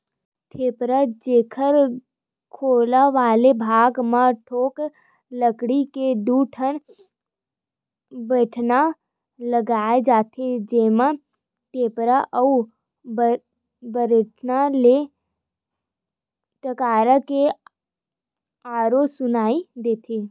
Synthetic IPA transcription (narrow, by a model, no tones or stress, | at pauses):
t̪ʰeːpɾad͡ʒeːkʰəɾ | kʰoːlaʋaːlebʱaːɡmãʈʰoːk | ləkɽiked̪uːʈʰən | bəːʈʰna | ləɡaːed͡ʒaːt̪ʰed͡ʒeːmã | ʈeːpɾaʔəu | b | bəɾeʈʰnale | pəkaːɾəke | paːɾosʊnaːid̪eːt̪ʰeː